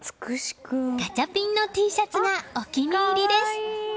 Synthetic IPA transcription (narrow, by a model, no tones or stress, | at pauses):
t͡sɨ̥kɯɕi̥kɯɡ̥at͡ɕapʲĩnːo̞t̪iːɕat͡sɨɡaokʲimʲiɾʲid̪e̞sɨ̥